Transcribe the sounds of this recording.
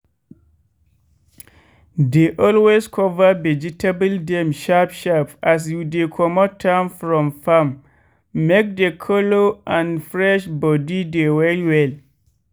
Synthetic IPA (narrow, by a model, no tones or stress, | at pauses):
deʔɔlweskʰɔvavɛd͡ʒitʰebəldɛ̃mʃapʃapas̬judekʰɔmɔtʰːãmfɹɔ̃mfamː | ek̚dekʰɔloãnfɹɛʃbɔdidewɛliwɛl